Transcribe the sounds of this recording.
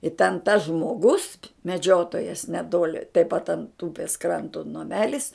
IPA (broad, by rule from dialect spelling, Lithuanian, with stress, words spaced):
ɪ tʲɛn tɐs ʒmoːˈɡʊs mʲɛˈd͡ʒʲoːtoːjɛs nʲɛˈtoːlʲɪ tɐɪp pɐt ɐnt ˈuːpʲeːs ˈkrɐntoː nɐˈmʲæːlʲɪs